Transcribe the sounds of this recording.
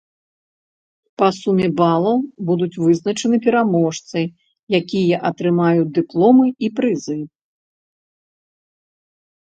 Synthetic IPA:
pɐsumʲɛbalˠɐwbud̪ut͡sʲvɨznɐt͡ʂɐnɨpʲɛɾamɔʂt̪sɨj | jakʲijɐʔɐt̪ɾɨmajud̪ɨplˠɔmɨipɾɨzɨ

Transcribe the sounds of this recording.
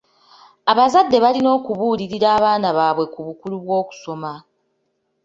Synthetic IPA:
aβazadːe̞βalino̞ːkuβuːliɾiɾaːβaːnaβaːβwe̞kuβukuluβwo̞ːku̥so̞ma

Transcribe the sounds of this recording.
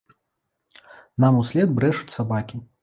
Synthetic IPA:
namusʲlʲɛd̪bɾɛʂut͡sʲsabakʲi

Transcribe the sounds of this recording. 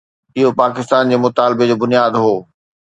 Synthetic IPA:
ɪɦopaːkɪst̪aːnd͡ʑeːmʊt̪aːlbed͡ʑoːbʊnijaːd̪ɦoː

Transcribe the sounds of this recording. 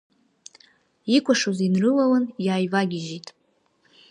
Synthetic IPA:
ikʷʼaʂozinrɨlawanjaːjvaɡʲɪʒitʼ

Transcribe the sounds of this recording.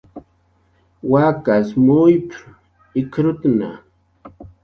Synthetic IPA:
wakasmʊjp | ɪkɾʊt̪na̰

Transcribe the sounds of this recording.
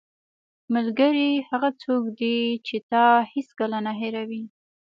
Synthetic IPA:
malɡəɾihaɣat͡sokd̪it͡ʃet̪ɑhiskalanaɦeɾawi

